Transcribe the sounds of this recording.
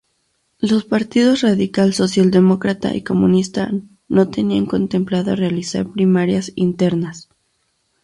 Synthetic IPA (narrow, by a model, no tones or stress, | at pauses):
lo̞spaɾt̪iðo̞sraðikalso̞sjald̪e̞mo̞kɾat̪a̰ʔḭko̞munist̪a | no̞t̪e̞niaŋko̞nt̪e̞mplaðoarealisa̰ɾpɾimaɾjasint̪e̞ɾnas